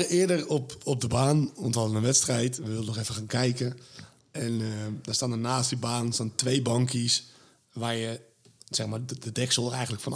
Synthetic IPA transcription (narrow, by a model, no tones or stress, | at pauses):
əɪədərɔpɔp̚dəbaːnɔntʋaənənʋɛtstrɛjtʋəʋɪlˠdənɔxɛfəxaːnkɛjkə | ɛndɔnstaːndənaːsdibaːnstaːntʋejbɑŋkʰis | ʋaːrjə | sɛxmaːdədɛksəlˠərɛjxən̩tləkfɔn